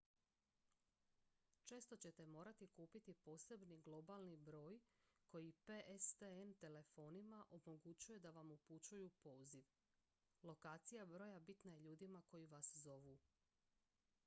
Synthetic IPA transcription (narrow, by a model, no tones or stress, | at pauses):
t͡ʃe̞ːst̪o̞t͡ɕe̞t̪e̞mo̞ːɾat̪ikuːpit̪ipo̞ːse̞bniɡlˠo̞balˠnibɾo̞ːjko̞jipeʔest̪eent̪e̞le̞fo̞ːnimaʔo̞mo̞ɡut͡ɕuje̞d̪aʋamuput͡ɕujupo̞ːziʋ | lˠo̞kaːt̪sijabɾo̞ːjabit̪naje̞ʎuːd̪imako̞jiʋaszo̞ʋuː